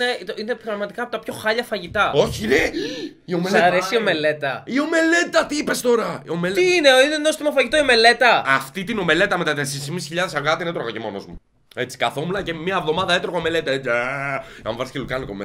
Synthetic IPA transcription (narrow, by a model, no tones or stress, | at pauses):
neinepɾɐɣmɐt̪ikɐpot̪ɐpço̞xɐʎɐfɐʝit̪ɐo̞çieiomesɐɾesio̞me̞le̞t̪ɐio̞me̞let̪ɐt̪iipest̪o̞ɾɐiomeliineinenost̪imɐfɐʝit̪oiome̞le̞t̪ɐɐft̪it̪ino̞me̞le̞t̪ɐmet̪ɐt̪eseɾismisçiʎɐðesɐɣɐt̪inet̪ɾoɣɐcemonozmu | e̞t͡si̥kɐθo̞munɐcemiɐevðo̞mɐðɐet̪ɾoɣoome̞let̪ɐet͡s | ɐ̰ɱvɐɾscelukɐnikome